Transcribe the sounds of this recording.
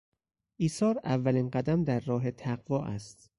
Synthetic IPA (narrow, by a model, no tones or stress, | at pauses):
ʔiːsɒːɾævːæliːnɢæd̪æmd̪æɾːɒːɦe̞t̪ʰæɢvɒːʔæst̪